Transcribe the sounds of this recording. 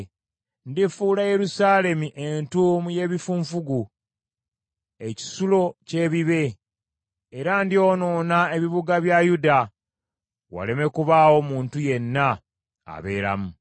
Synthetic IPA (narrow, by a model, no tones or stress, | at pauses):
ndifuːlaje̞ɾusaːle̞miʔe̞ntuːmuje̞ːβifuːɱfuɡu | e̞ci̥sulo̞ce̞ːβiβe̞ | ɾandio̞ːno̞ːnae̞βiβuɡaβjajuda | wa̰le̞me̞kuβawo̞muːntuje̞nːa̰ː | βe̞ːɾa̰mu